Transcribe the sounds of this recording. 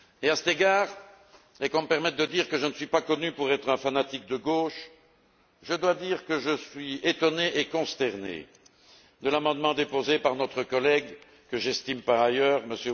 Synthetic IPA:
easɛ̥t̪eɡaːʁ | ɛkɔ̃məpɛʁmɛt̪̚d̪əd̪iʁkəʒənəsɥipakɔnypuʁɛt̪χɛ̃fanat̪ik̚d̪əɡoʃ | ʒəd̪wad̪iːʁkəʒəsɥiet̪ɔneʔekɔ̃st̪ɛʁnḛ | d̪əlamɑ̃d̪mɑ̃d̪epozepaʁnɔt̪χəkɔlɛɡ | kəʒɛst̪impaʁajœːʁməsjø

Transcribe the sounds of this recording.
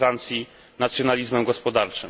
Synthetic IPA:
ɾant̪sʲji | nat̪sʲjɔnalʲizmɛmɡɔspɔd̪aɾt͡ʂɘ

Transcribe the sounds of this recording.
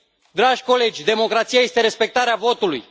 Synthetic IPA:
d̪ɾaʒʲko̞le̞d͡ʒʲd̪e̞mo̞kɾat̪sijaje̞st̪e̞ɾe̞spe̞k̚t̪aɾeavo̞t̪uluj

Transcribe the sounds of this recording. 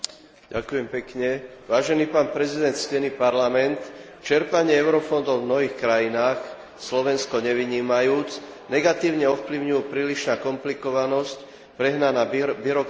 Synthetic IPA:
ɟa̰kujɛmpɛkɲɛʋaːʒɛniːpaːnpɾɛzid̪ɛnt̪scɛnipaɾlamɛnt̪ | t͡ʃɛɾpaɲɪɛɛʊɾɔfɔnd̪ɔʊvmnɔɦiːxkɾajinaːx | slɔʋɛnskɔɲɛʋiɲiːmajuːt͡s | nɛɡat̪iːʊɲɛɔfpliʊɲujupɾiːliʃnaːkɔmplikɔʋanɔsc | pɾɛɦnanaːbiɾɔk

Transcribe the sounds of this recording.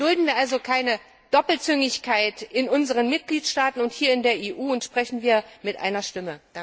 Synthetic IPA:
d̥ʊldn̩viːɐʔalzokʰaɪnə | d̥ɔpl̩t͡sʏŋɪçkʰaɪtɪnʔʊnzəʁ̞ənmɪt̚ɡ̥liːtʃtaːtn̩ʊnthiːɐɪndeːɐʔeːʔuːʊntʃpʁ̥ɛçn̩viːɐmɪtʔa̰ɪnɐʃtɪməd̥a

